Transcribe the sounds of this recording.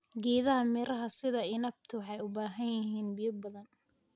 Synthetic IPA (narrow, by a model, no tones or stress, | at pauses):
ɡɛːðɐɦɐmiːɾɐɦɐsɪðɐɪnɐb̚t̪ʰʊwħɑjʊbaːɦɐnjɐɦiːnbijɐbɐðɐn